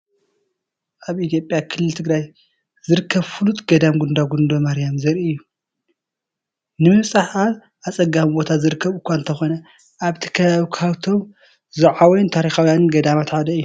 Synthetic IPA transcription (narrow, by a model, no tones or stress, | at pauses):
ʔaβʔit̪ʰijo̞pʼjakʰɨlːɨlt̪ʰɨɡɾaj | zɨɾɨkʰːɐβfulut̪ɡɐd̪amɡund̪aɡund̪o̞maɾjamzɐɾʔiɨjːu | nɨmɨβsʼaħal | ʔat͡sʼɐɡambo̞t̪ʰazɨɾɨkːɐβɨkʷːaɨnt̪ʰɐxo̞nɐ | ʔaβt̪ʰi̥kʰɐβaβikʰawt̪ʰo̞m | zɐʕawnt̪ʰaɾixawjanɨɡɐd̪amat̪ħad̪ɐɨjːu